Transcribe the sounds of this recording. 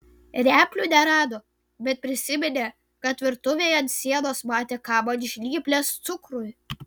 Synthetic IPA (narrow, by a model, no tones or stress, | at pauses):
ɾʲæːpʲlʲunʲɛɾɑːd̪oː | bʲɛt̪̚pʲɾʲɪsʲɪmʲɪnʲeː | kɐt̪ʋʲɪɾt̪ʊʋʲeːjɐnt̪sʲiɛnoːsmɑːt̪ʲeːkɑːbɐnʲɪʃʲlʲiːpʲlʲest̪sʊkɾʊj